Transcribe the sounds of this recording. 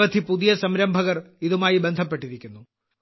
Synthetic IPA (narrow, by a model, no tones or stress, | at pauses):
ʋɐt̪ʰipuðijɐsɐmɾɐmbʱɐɣɐriðumaːjibend̪ʱɐpːe̞ʈːiɾikʲːunːu